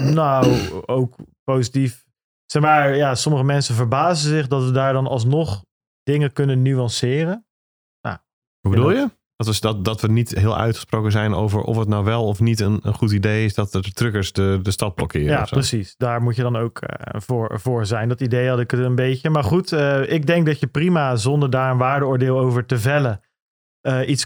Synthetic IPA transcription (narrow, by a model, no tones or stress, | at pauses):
nowowkpowzitif | sɛχmaːɹjasɔməχəmɛnsəvəɹbaːzənzɪχdɑtʋədaːɹdɑnɑlˠs̬nɔχ | d̥ɪŋəkɵnənyɑnsɪːɾən | na̰ | ʋubədulˠjə | d̥ɔtʋədɑtdɔtʋənitɦɪːlˠœ̰ɥtχəsproːkənzɛjno̰wvə̰ɹʔɔ̰fətnawʋɛlˠɔfnitənənχutidejɪsdɑtətrɵkəɹsdədəstɑd̚blɔkɪ̰ːɾəaɔfsrəsisdaːɹmucjədɑnowkvʊːɹvʊːɹzɛjndɑtidejɦɑdɪkətənbejcəmaːɹχutəʔɪɡ̚dɛŋk̚dɑtjəprimazɔndəɹdaːɹənʋaːɹdəʊːɹdɪːlˠowvəɹtəvɛlə | əʔits